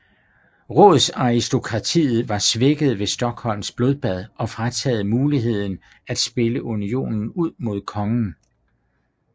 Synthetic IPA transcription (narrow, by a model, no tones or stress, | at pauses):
ʁɔ̰ð̩ˠsɑ̈isd̥o̝kʰʁɑ̈t͡sʰḭːð̩ˠʋɑ̈sʋe̝ɡ̥əð̞̩ˠʋe̝sd̥ɒ̽ɡ̥hɒ̽l̰msb̥lo̝ð̞ˠb̥æð̞ˠʔɒ̽fʁat͡sʰɛ̰ːð̩ˠmuːliɦe̝ð̞̰ˠn̩ | æd̥sb̥e̝ləʔunio̝̰ːnn̩uð̰ˠmo̝ð̞̰ˠkʰɒ̽ŋn̩